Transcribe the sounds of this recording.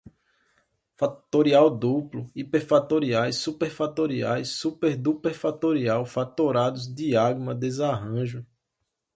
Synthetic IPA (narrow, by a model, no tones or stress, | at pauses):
fat̪oɾiawd̪uplʊipeɾfat̪oɾiajsupeɾfat̪oɾia̰jsːupeɾd̪upeɾfat̪oɾiawfat̪oɾad̪ʊzd̪iaɡmɐd̪ezaɦɐ̃ʒʊ